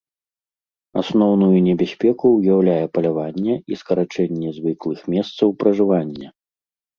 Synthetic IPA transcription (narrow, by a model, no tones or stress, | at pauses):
asnɔwnujunʲɛbʲasʲpʲɛkuwjawlʲajɛpɐlʲavanʲːɛiskɐɾat͡ʂɛnʲːɛzvɨklˠɨxmʲɛst̪sɐwpɾɐʐɨvanʲːɐ